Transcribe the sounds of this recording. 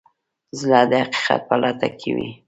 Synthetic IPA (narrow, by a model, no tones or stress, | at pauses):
zlɑd̪əhaqi̥qa̰t̪̚pəlʔat̪akʰewi